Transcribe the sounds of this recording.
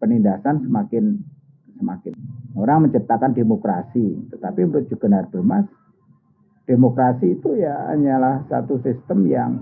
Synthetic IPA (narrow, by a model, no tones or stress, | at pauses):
pənindasansəmakɪn | səmakɪnoɾaŋməɲt͡ʃəp̚t̪akandemokɾasit̪ət̪apimɾʊt̪̚d͡ʒ̥uɡ̥ənarb̥əmas | d̥emokɾasiːt̪ujaa̰ɲalahsa̰t̪usist̪əmjaŋ